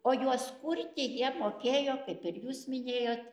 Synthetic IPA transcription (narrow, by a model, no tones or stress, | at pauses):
oːjuɔskurʲt̪ʲɪjiɛmoːkʲeːjoːkɐɪpɪɾjuːsmʲɪnʲeːjoːt̪